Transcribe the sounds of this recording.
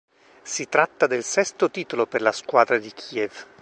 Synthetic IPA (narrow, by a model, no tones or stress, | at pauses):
sit̪ɾat̪ːad̪elsɛst̪ot̪iːt̪oloperlaskwaːd̪ɾad̪ikʰiːɛv